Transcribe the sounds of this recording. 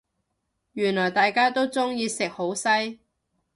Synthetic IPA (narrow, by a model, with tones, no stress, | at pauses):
jyː˨˩nlɔː˨˩jt̪aː˨jkaː˥t̪o˥wt͡sʊ˥ŋjiː˨˧sɪ˨k̚ho˨˥wsɐ˥j